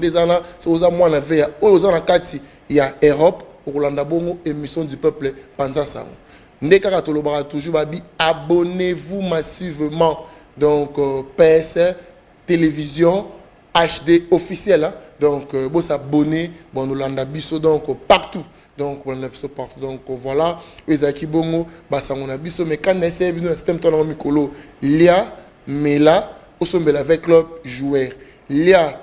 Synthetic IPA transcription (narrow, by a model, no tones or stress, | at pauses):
ndezalãsokozamwanavejaojoozanakatʰi | jaøʁɔpokolandabɔŋɡoemisjɔ̃dypøplɛpanzasa̰ŋɡo̰ | ndekakatolobakatuʒubabiabonevumasivəmɑ̃ | dɔ̃kpeɛsɛ | televizjɔ̃ | aʃdeofisjɛldɔ̃kbosabonebnolandabisodɔ̃ŋkpaʁt̪u | dɔ̃kbolandabisopaʁtudɔ̃kvwalaoezalakiboŋɡobasaŋɡonabisomɛkãndaesɛbinonasɛ̥t̪ɛmt̪wlaŋɡomikololja | mela | osombelavɛklɔb̚ʒuɛʁ | lja